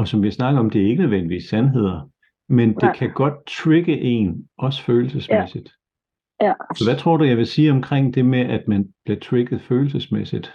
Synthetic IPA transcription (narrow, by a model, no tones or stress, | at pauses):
ɒ̽sɒ̽mʋiɐsnɑ̈ɡ̥əɒ̽md̥e̝æɐe̝ɡ̥ənøð̞ˠʋendiʋḭːsːænɦe̝ð̞̰ˠɐ | mend̥e̝kʰæɡ̥ɒ̽d̥̚t͡sʰʁiɡ̥əʔe̝̰nʔɒ̽sføːl̩səsmesid̥ | sɒʋæt͡sʰʁo̝ɐ̰ɾ̥ujɑ̈ɪʋe̝siːɒ̽mkʰʁeŋ̰d̥e̝meʔæd̥mænb̥liɐt͡sʰʁeɡ̥ð̩ˠføːl̩səsmesid̥